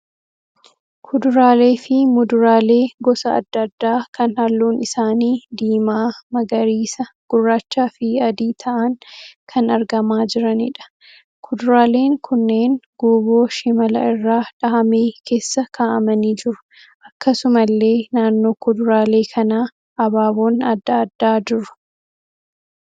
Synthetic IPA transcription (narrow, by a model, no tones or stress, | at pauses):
kʰʊd̪ʊɾaːle̞ːfɪmʊd̪ʊɾaːle̞ːɡɔsɐɐ̰d̪ːɐd̪ːaːkɐnhɐlːuːnɪsaːniːd̪iːmaːmɐɡɐɾiːsɐɡ̥ʊrːaːt͡ʃːaːfɪɐd̪iːt̪ʰɐʔɐŋkʰɐnɐɾɡɐmaːd͡ʒɪɾɐnɪ̰ᶑɐ̥ | kʰʊd̪ʊɾaːle̞ːŋkʰʊnːeːŋɡ̥uːbo̞ːʃɪmɐlɐ̰ɪrːaːᶑɐʔɐmeːkʰe̞ːsːɐkʰaːʔɐmɐniːd͡ʒɪɾʊ̥ | ʔɐkːɐsʊmɐlːe̞ːnaːnːo̞ːkʊd̪ʊɾaːle̞ːkʰɐnaː | ʔɐbaːβo̞ːnɐd̪ːɐːd̪ːaːd͡ʒɪɾʊ̥